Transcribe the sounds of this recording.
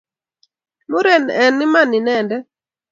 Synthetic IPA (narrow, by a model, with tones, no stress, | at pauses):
mu˦ɾɛ˨nɛ˨nɪ˦ma˦˨ni˨nɛ˨ndɛ˦